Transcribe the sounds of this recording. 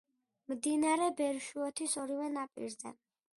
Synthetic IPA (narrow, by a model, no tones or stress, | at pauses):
md̪inaɾɛbɛɾʃuɔt̪ʰisɔɾivɛnapʼḭɾzɛ̰